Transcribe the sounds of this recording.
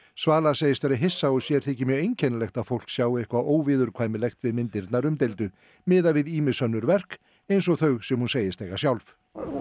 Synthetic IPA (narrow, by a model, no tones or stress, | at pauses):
svaːlaseːjɪst̪vaɾɪɦɪsːaɔsjɛɾ̥t̪θʰɛːcɪmjœɣejɲcʰɛnlɛxt̪aðfowl̥ksjaːwɪhkvaʔoːwvɪðʏɾkʰvaːjmɪlɛxt̪vɪðmɪnt̪ɪɾt̪naɾʏmt̪ejlt̪ʏ | mɪːðavɪðiːmɪsœnːʏɾvɛr̥k | ejns̬ɔɣθœɥɣsɛmhunseːjɪst̪ejɣḁsjawlf